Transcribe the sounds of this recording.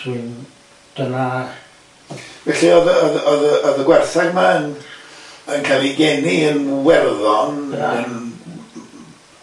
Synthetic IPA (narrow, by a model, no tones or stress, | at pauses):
swin | d̥əma | vɛɬiɔðəɔðɔðəʔɔðəɡwɛrθaɡmaən | ənkʰaːlˠiɡɛniənwɛrðɔnən